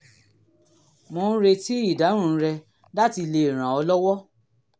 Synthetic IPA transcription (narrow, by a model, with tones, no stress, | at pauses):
mõ˧n̩˦ɾe˧ti˦i˦˨da˨˦ɾ̃ũ˧˨˦ɾɛ˧ | da˦ti˧le˧e˨ɾ̃ã˨ɔ˧lɔ˦wɔ˦